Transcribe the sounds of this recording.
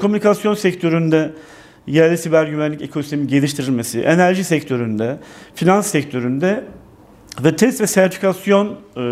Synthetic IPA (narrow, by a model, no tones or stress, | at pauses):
kʰo̞mynikʰasjo̞nsɛct̪ʰø̞ɾynd̪ɛ | jæɾlʲɛsibæɾɟyvænlʲice̞kʰosi̥st̪ʰemiɟe̞lʲiʃt̪ʰiɾilʲme̞siʔenæɾʒisɛct̪ʰø̞ɾynd̪ɛfinansːɛct̪ʰø̞ɾynd̪ɛ | vɛt̪ʰɛst̪vɛsæɾt̪ʰi̥fikʰasjo̞n